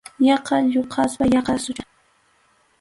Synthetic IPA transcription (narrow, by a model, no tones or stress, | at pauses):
jɑqɑʎoqʰɑswajɑqɑsʊɾa